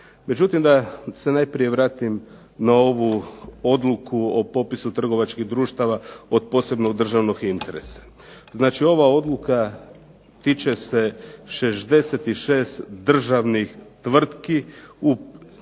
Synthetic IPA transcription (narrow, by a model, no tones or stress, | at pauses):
me̞d͡ʒut̪imd̪ase̞naːjpɾije̞ʋɾaːt̪im | nao̞ʋuo̞d̪lukʰuo̞po̞pisut̪r̩ɡo̞ʋat͡ʃkiɦd̪ɾuːʃt̪aʋao̞d̪̚po̞ːse̞bno̞ɡd̪r̩ʒaʋno̞ɡint̪e̞ɾe̞sḁ | znaːt͡ʃio̞ʋao̞d̪luka | t̪it͡ʃe̞se̞ʃe̞zd̪e̞set̪iʃe̞ːst̪d̪r̩ʒaʋnixt̪ʋr̩t̪kiu